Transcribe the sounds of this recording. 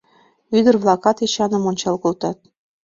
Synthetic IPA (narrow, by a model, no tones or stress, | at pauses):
yd̪ə̆rβlˠɑkɑt̪iɕɑnɤ̆monʲt͡ɕɑlkolt̪ɑt̪̚